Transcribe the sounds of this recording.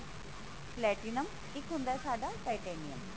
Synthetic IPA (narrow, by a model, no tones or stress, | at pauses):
plɛʈinəm | ikɦũnd̪ajsaːɖaʈajʈɛnijəm